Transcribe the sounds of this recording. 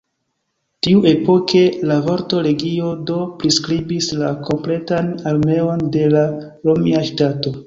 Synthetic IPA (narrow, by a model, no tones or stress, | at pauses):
tiuʔe̞po̞kʰe̞lavo̞ɾto̞ɾe̞ɡio̞do̞pɾiskɾibislako̞mple̞tanaɾme̞o̞nde̞la | ɾo̞miaʃtato̞